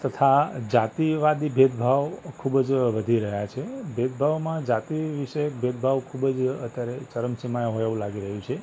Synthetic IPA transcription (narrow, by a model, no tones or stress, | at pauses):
t̪ət̪ʰad͡ʒat̪iʋad̪ibʱed̪̚bʱaʋkʰubd͡ʒʋəd̪ʱiɾəɦjat͡ʃʰebʱed̪̚bʱaʋmãd͡ʒat̪iʋiʃəebʱed̪̚bʱaʋkʰubd͡ʒət̪jaɾet͡ʃəɾəmsimajɦoaʋũlaɡiɾəɦũt͡ʃʰe